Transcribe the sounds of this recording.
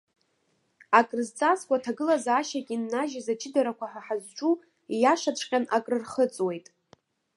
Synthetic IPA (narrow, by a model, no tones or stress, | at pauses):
akʼrɨzt͡sʼaskʷʼatʰaɡɨlazaʃakʲʼinːaʒazat͡ʃʰɪdaɾakʷʰaħaħazʈ͡ʂʷʼu | jaʂat͡ʃʷʰʼqʲʼanakʼrɨrχət͡sʼwe̞jtʼ